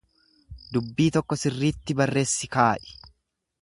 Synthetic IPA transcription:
d̪ʊbːiːt̪ɔkːɔsɪrːiːt̪ːɪbɐrːe̞ːsːɪkaːʔɪ̥

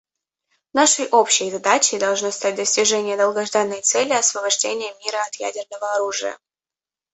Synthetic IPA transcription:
naʂəjʔopɕəjzɐd̪at͡ɕɪjd̪ɐlˠʐnost̪at̚ʲd̪əsʲtʲɪʐɛnʲɪjəd̪əlˠɡɐʐd̪anːəjt̪sɛlʲɪɐsvəbɐʐdʲenʲɪjəmʲiɾəɐt̪jæ̰dʲɪrnəvəɐɾuʐɨjə̰

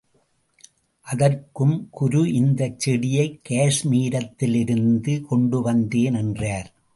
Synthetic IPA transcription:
ʔɐðɐrkɯmkʊɾuʔɪnd̪ɐt͡ʃːɛɽɪjɐɪkːeːʂmiːɾɐt̪ːɪlɪɾɯnd̪ɯkɔɳɖɯʋɐnd̪eːnɛndraːɾ

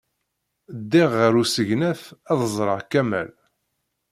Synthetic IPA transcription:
d̪ːɪʁːəɾusəʝnæfæðəzˤɾˤəʁkæmæ̰l

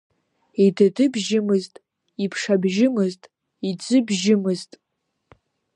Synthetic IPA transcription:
idadɨbʒɪmɨztʼ | ipʰʂabʒɪmɨztʼ | id͡zɨbʒɪmɨztʼ

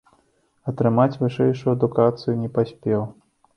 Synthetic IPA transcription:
ɐt̪ɾɨmat͡sʲvɨʂɛjʂujuɐd̪ukat̪sɨjunʲɛpasʲpʲɛw

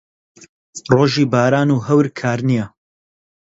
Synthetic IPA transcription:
roːʒiːbaːɾaːnuːɦɐwɾkʰaːɾnijɐ

